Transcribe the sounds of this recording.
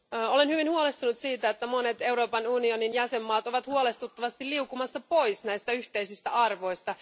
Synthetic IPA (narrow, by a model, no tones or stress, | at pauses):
o̞le̞nhyʋinhuolest̪unut̪siːt̪æet̪ːæmo̞ne̞t̪e̞wɾo̞ːpɑnunio̞ninjæse̞mːɑːt̪o̞ʋɑt̪huole̞st̪ut̪ːɑʋɑst̪ilːiukːumɑsːɑpo̞jsnæist̪æyçt̪e̞isist̪æɑrʋo̞jst̪ɑ